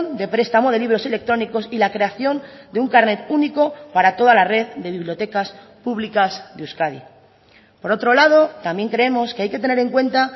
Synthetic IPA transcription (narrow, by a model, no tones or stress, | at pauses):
nd̪e̞pɾe̞st̪amo̞ð̞e̞liβ̞ɾo̞se̞le̞k̚t̪ɾo̞niko̞silakɾe̞aθjo̞nd̪euŋkaɾne̞t̪uniko̞paɾat̪o̞ð̞alare̞ððe̞βiβlijo̞t̪e̞kas | puβlikazðeuskaðḭ | po̞ɾo̞t̪ɾo̞lað̞o̞t̪ambje̞ŋkɾe̞e̞mo̞skeajke̞t̪e̞ne̞ɾe̞ŋkwe̞nt̪a